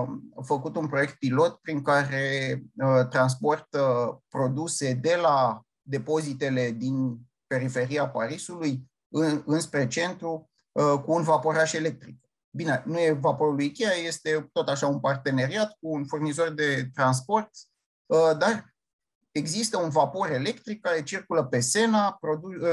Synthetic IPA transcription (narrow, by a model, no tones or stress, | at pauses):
fəkut̪unpɾo̞je̞k̚t̪̚pilo̞t̪pɾiŋkaɾe̞ | t̪ɾans̬po̞rt̪əpɾo̞d̪use̞d̪e̞la | d̪e̞po̞zit̪e̞le̞d̪in | pe̞ɾife̞ɾiapaɾisuluj | ɨɨnspɾe̞t͡ʃe̞nt̪ɾu | kuːnvapo̞ɾaʃe̞le̞k̚t̪ɾik | bine̞nuje̞vapo̞ɾuluikʲejaje̞st̪e̞t̪o̞t̪aʃaunpart̪e̞ne̞ɾiat̪k̚uːnfurnizo̞rd̪e̞t̪ɾans̬po̞rt̪sʲ | əd̪ar | e̞ɡzist̪əunvapo̞ɾe̞le̞kt̪ɾik̚ːaɾe̞t͡ʃirkuləpe̞se̞napɾo̞d̪u